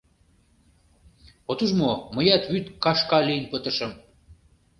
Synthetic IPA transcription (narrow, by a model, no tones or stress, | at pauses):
ot̪uʒmoməjɑt̪βyt̪kɑʃkɑlinpət̪ə̆ʃə̆m